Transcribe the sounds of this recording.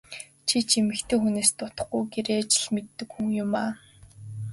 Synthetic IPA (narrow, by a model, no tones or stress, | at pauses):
t͡ɕʰit͡ɕʰimɘ̆kt̪ʰeːxuneːst̪ʊt̪ə̥̆χɡujɡeɾeːt͡ɕɪ̆ɮmet̪ːɘ̆kxuŋjʊmaː